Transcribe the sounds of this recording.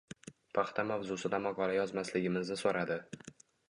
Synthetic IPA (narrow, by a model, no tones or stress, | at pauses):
pʰɑχt̪ʰamavzʊsɪd̪amaqʰɒlajɒzmaslɪɡʲɪmɪznɪsoɾad̪ɪ